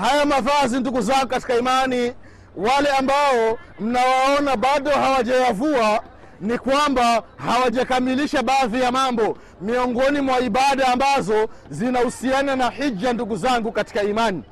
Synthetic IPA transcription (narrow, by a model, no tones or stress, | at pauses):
hajamavazinduɡuzaŋɡukati̥kaimani | walɛambaɔm̩nawaɔnaɓaɗɔɦawaʄajavua | nikwambahawaʄakamiliʃaɓaːðijamambɔ | miɔŋɡɔnimwaiɓaɗaːmbazɔzinahusiananaħid͡ʒanduɡuzaŋɡukati̥kaimani